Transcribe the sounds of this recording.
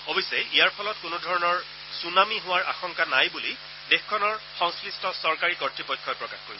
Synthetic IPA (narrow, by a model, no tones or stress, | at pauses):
obisɛjʔijaɹpʰɔlɔtkʊnʊdʱɔɹɔnɔɹ | sunamiɦʊ̃waɹʔa̰xɔŋkanajbuli | dexkʰːɔnɔɹxɔŋslistɔsɔɹkaɹikɔɹtɹipɔjkʰːɔjpɹɔkaxkoɹiɔ